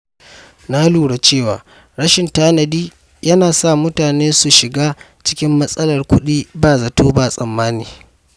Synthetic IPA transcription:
na˦luː˨ɽa˨t͡ʃeː˦˨wa̰ː˨ | ɽɐ˦ʃɪ˨ntaː˦nɐ˨diː˦ | jɐ˦naː˨sa˦˨mʊ˦taː˨neː˦su˨ʃɪ˨ɡaː˦ | t͡ʃɪ̥˦kʲɪ˦mːɐ˦sʼɐ˦lɐ˨rkʷʊ˦ɗiː˦baː˦˨zɐ˨toː˦baː˦˨sʼɐ˨mːaː˦niː˨

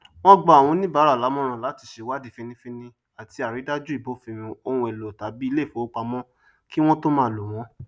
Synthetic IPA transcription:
w̃ɔ̃˦ɡ͡ba˦a˨w̃ɔ̃˧nĩ˦ba˦ɾa˦˨la˨˦mɔ̃˦ɾ̃ã˧˨la˨˦ti˧˨ʃe˨˦wa˦di˨˦fĩ˧nĩ˧˦fĩ˦nĩ˧ | a˨ti˧a˨ɾi˨˦da˦d͡ʒu˦i˦˨bo˨˦fĩ˧mĩ˧o˧hũ˧e˨lo˨ta˨˦bi˦i˧˦le˦˨fo˨˦o˦k͡pa˧mɔ̃˦ | ki˦w̃ɔ̃˦to˦mãː˦˨lo˨w̃ɔ̃˨˦

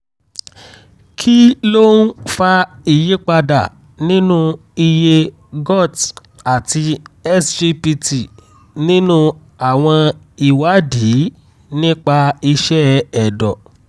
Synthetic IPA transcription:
kʰi˦lo˦n̩˦fa˧i˦˨je˨˦k͡pa˧da̰˨ | nĩ˦nũ˦ | i˧je˧ | ɡɔ˦˨t | a˨ti˧ɛ˦sd͡ʒi˧pi˧ti˨ | nĩ˦nũ˦ | a˦˨w̃ɔ̃˧ | i˨wa˨˦di˨˦ | nĩ˦k͡pa˧i˧ʃɛ˦ɛ˨dɔ˨

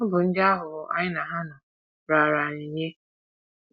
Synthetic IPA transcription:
ʊ˦bʊ˨n̩˦d͡ʒa˦ɦʊ˨˦a̰˦ɲɪ˦na˨ɦa˦na˨ | ɾa˨ɾa˨ni˨ɲe˦

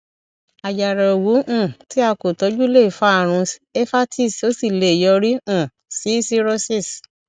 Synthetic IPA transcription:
a˨d͡ʒa˨ɾɛ˨o˨wu˨˦ũ˦˨ti˨˦a˧ko˨tɔ˨˦d͡ʒu˦le˦i˨fa˦a˨ɾ̃ũ˧e˦fa˦tʰi˦˨so˦si˦˨le˨jɔ˧ɾi˦ũ˦˨ | si˨˦si˦ɾo˦si˦˨s

